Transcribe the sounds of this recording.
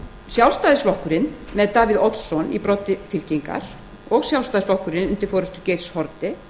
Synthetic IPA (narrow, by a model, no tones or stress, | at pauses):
sjawlst̪aːðɪsvlɔhkʏɾɪnmɛðt̪aːviðɔt̪sːɔnḭpɾɔt̪ɪfɪl̥ciŋka̰ɾ̥ | ɔɣsjawlst̪aðɪslɔhkʏɾɪnʏnt̪ɪɾfɔːɾʏst̪ʏcejɾshɔɾt̪ɪ